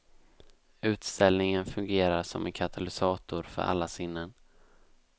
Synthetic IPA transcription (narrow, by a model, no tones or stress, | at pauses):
ʉ̟ːt̪st̪ɛlnɪŋənfɵŋɡeːɾaʂɔmʔɛnkʰat̪ʰalɪsɑːt̪ʊɾfœ̰ɾʔa̰lːasɪnːən